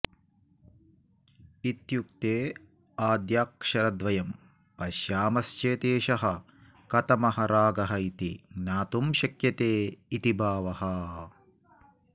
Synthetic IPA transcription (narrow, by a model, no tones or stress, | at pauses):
it̪jukt̪eː | aːd̪jaːkʂɐɾɐd̪ʋɐjɐm | pɐʃjaːmɐst͡ʃeːt̪eːʃɐɦɐ | kɐt̪ɐmɐɦɐɾaːɡɐɦɐit̪ḭnaːt̪umʃɐkjɐt̪eːit̪ibʱaːʋɐɦɐ